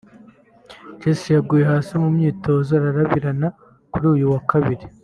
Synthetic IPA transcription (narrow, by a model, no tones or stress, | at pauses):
t͡ʃesijaɡuːje̞ɦaːsimumɲiːtʰo̞ːzaɾaɾaβiɾana | kuɾuːjuwakaβiɾi